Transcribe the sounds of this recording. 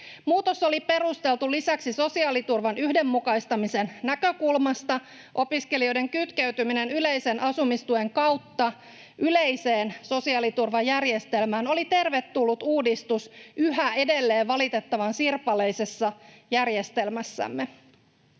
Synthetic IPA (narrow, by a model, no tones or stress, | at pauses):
muːt̪o̞so̞lipe̞ɾust̪e̞lt̪ulisæksiso̞siɑːlit̪urʋɑnyhde̞mːukɑist̪ɑmise̞nnækø̞kulmɑst̪ɑ | ʔo̞piske̞lio̞jde̞ŋkyt̪keyt̪ymine̞nyle̞jse̞nʔɑsumist̪ue̞ŋkɑwt̪ːɑ | ʔyle̞jse̞ːnso̞siɑːlit̪urʋɑjærjest̪e̞lmæːno̞lit̪e̞rʋe̞t̪ːulːut̪uːdist̪usyɦæe̞de̞lːe̞ːʋʋːɑlit̪e̞t̪ːɑʋɑnsirpɑle̞jse̞sːɑjærje̞st̪e̞lmæsːæ̰mːe̞